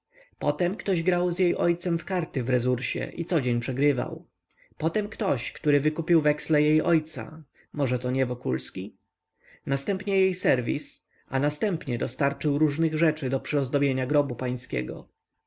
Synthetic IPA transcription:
pɔt̪ɛmkt̪ɔʑɡɾawzjejʔɔjt̪sɛmfkaɾt̪ɘvɾɛzuɾɕɛ̰ʔit̪sɔd͡ʑeɲpʂɛɡɾɘva̰w | pɔt̪ɛmkt̪ɔɕkt̪uɾɘvɘkupʲiwvɛkslɛjejɔjt̪sa̰ | mɔʐɛt̪ɔɲɛvɔkulskʲi | nast̪ɛmpɲɛjejsɛɾvʲḭs | a̰nast̪ɛmpɲɛd̪ɔst̪aɾt͡ʂɘwɾuʐnɘɣʐɛt͡ʂɘd̪ɔpʂɘɔzd̪ɔbʲjeɲaɡɾɔbupaj̃skʲɛ̰ɡɔ̰

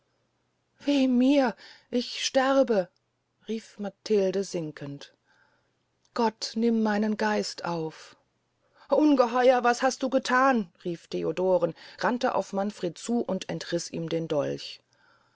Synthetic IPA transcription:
v̥iːmiːɐʔɪçʃtɛʁbə | ʁiːfmatʰɪldəzɪŋkʰənt | ɡ̥ɔtnɪmːaɪnənɡaɪstʔaʊf | ʔʊnɡəɦɔʏɐvashast̚d̥uːɡətʰaːnʁiːftʰeodoːʁənʁantəʔa̰ʊfmanfʁ̥eːt̚t͡suːʔʊntɛntʁ̥ɪsḭːmdeːndɔ̰lç

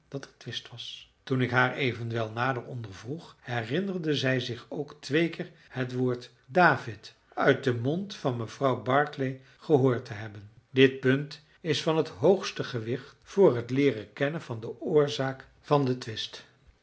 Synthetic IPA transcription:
d̥ɑtətʋɪstʋɑstunɪkɦaːɹejvənʋɛlˠnaːdərɔndəɹvruχhɛrɪnərdəzɛjzɪχowktʋejkɪːɹ | hətʋʊːɹt | daːvɪt | œɥt̚dəmɔntfɑnməv̥rɑwbɑɹklej | χəɦʊːɹtəɦɛbən | dɪt̚pɵnt | ɪsfɑnɦətɦowχstəχəʋɪχtfʊːrɦətlɪːrəkɛnənvɑndəʊːɹzaːk | fɑndətʋɪst

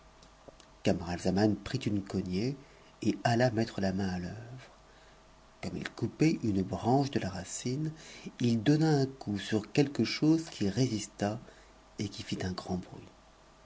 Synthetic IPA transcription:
kamaʁalzamanpχit̪ynkɔnje | ealamɛt̪χəlamɛ̃aløvʁ | kɔmḭlkupɛʔynbʁɑ̃ʃd̪əlaʁasinild̪ɔnaɛ̃kʰusyʁkʲɛlkəʃozkʲʰiʁezist̪a | ekʲifit̪ɛ̃ɡʁɑ̃bʁɥḭ

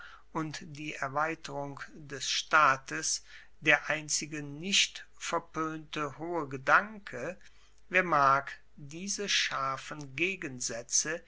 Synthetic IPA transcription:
ʔʊntd̥iːʔɛɐvaɪtəʁʊŋdɛsʃtaːtəs | d̥eːɐʔaɪnt͡sɪɡənɪçt | fɛɐpøːntəhoːəɡədaŋkʰə | veːɐmaːk | d̥iːzəʃaɐfən̩ɡeːɡənzɛt͡sə

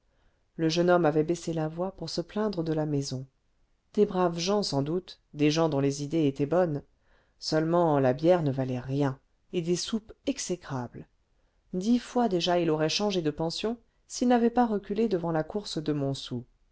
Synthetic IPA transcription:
ləʒənɔmavɛbɛselavwapuʁsəplɛ̃d̪ʁəd̪əlamɛzɔ̃ | d̪̥ebʁavʒɑ̃sɑ̃d̪ut̪ | d̪eʒɑ̃d̪ɔ̃lezid̪eet̪ɛbɔn | sœlmɑ̃labjɛʁnəvalɛʁjɛ̃ | ed̪esupɛksekχabl | d̪ifwad̪eʒailɔʁɛʃɑ̃ʒed̪əpɑ̃sjɔ̃ | silnavɛpaʁəkʲyled̪əvɑ̃lakuʁsd̪əmɔ̃su

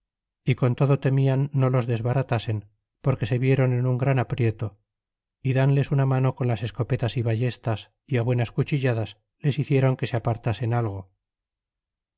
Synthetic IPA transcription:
iko̞nt̪o̞ðo̞t̪e̞mianːo̞lo̞zðe̞zβaɾat̪ase̞n | po̞ɾke̞se̞βje̞ɾo̞ne̞nuŋɡɾanapɾje̞t̪o̞ | iðanle̞sunamano̞ko̞nlase̞sko̞pe̞t̪asiβaʝe̞st̪as | iaβwe̞naskut͡ʃiʎaðas | le̞siθje̞ɾo̞ŋke̞seapaɾt̪ase̞nalɣ̞o

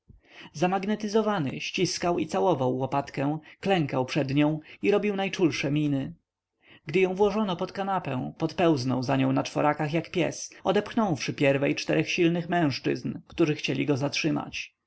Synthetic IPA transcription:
zamaɡnɛt̪ɘzɔvanɘ̰ɕt͡ɕiskawit̪sawɔvawːɔpat̪kɛ̃w̃klɛŋkawpʂɛd̪ɲɔ̃w̃iɾɔbʲiwnajt͡ʂulʂɛmʲinɘ | ɡd̪ɘjɔ̃w̃vwɔʐɔnɔpɔt̪kanapɛ̰̃w̃pɔt̪pɛwznɔwzaɲɔ̃w̃nat͡ʂfɔɾakaxjakpʲjɛ̰sɔd̪ɛpxnɔ̃w̃fʂɘpʲjɛɾvɛjt͡ʂt̪ɛɾɛxɕilnɘxmɛ̃w̃ʂt͡ʂɘ̰znkt̪uʐɘxt͡ɕelʲiɡɔzatʂɘma̰t͡ɕ

